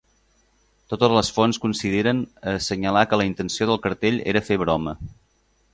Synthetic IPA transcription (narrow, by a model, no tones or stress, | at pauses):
t̪ot̪əzləsfonskunsiðeɾənəsəɲəlakələint̪ənsioð̞əlˠkəɾt̪eʎḛɾəfeβɾɔmə